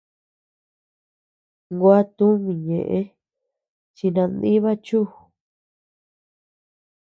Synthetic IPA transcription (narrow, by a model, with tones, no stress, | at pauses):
ŋɡwa˦t̪ũ˦mĩ˨ɲḛ̃˨ʔẽ˧˦ | t͡ʃi˧nã˧nd̪i˦βa˦t͡ʃu˦